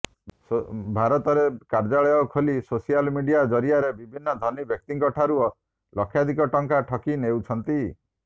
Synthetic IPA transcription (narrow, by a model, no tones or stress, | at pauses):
bʱaɾɔt̪ɔɾekaɾd͡ʒaɭɔjɔkʰolisosijalmiɖijad͡ʒɔɾiaɾebibʱinːɔd̪ʱɔnibʱjɔk̚t̪iŋkɔʈʰaɾuɔ | lɔkʰːjad̪ʱik̬ɔʈɔŋkaʈʰɔkinewt͡ʃʰɔnt̪i